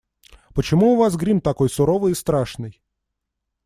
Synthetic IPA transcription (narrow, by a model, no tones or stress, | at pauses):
pət͡ɕɪmuːvasɡɾʲimt̪ɐko̞jsʊɾovɨjɪst̪ɾaʂnɨj